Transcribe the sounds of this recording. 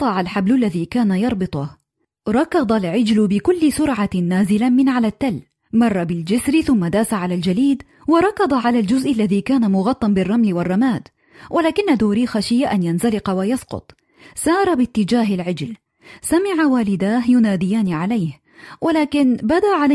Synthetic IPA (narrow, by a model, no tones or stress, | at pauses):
t̪ˤɑʕalħablʊlːaðiːkaːnajɑɾˤbɨt̪ˤʊh | ɾˤɑkɑd̪ˤɑlʕɪd͡ʒlʊbɪkʊlːɪsʊɾˤʕanːaːzɪlamɪnʕalat̪ːal | mɑrˤːɑbɪld͡ʒɪsɾɪθʊmːad̪aːsaʕalald͡ʒaliːd̪ | wɑɾˤɑkɑd̪ˤɑʕalald͡ʒʊzʔalːaðiːkaːnamʊɣɑt̪ˤːɑnbɪrˤːɑmlɪwɑrˤːɑmaːd̪ | wʔalaːkɪnːad̪oːɾixaʃɪjːaʔanjanzalɪqɑwajɑsqʊ̰t̪ˤ | sɑːɾˤɑbɪt̪ːɪd͡ʒaːɦɪlʕɪd͡ʒl | samɪʕawaːlɪd̪aːɦjʊnaːd̪ɪjaːniʕalajh | walaːkɪnbad̪aʔʕala